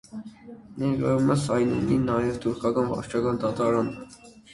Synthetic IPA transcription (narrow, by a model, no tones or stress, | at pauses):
nɛɾɡɾɑɾumɛsɑjnṵninɑjɛvt̪ʰuɾkʰɑkɑnvɑ̰ɾt͡ʃʰɑkɑnd̪ɑt̪ɑɾɑnə